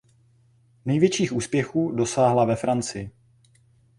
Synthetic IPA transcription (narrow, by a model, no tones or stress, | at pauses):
nɛjvjɛt͡ʃiːxʔuːspjɛxuːdo̞saːɦlavɛfɾant͡sɪjɪ